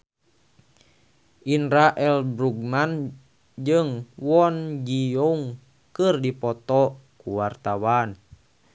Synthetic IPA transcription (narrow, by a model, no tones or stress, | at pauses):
ʔinɾaʔɛlbɾuɡ̚man | d͡ʒɨŋwɔnd͡ʒiɔŋ | kɨrdipɔt̪ɔkuwart̪awan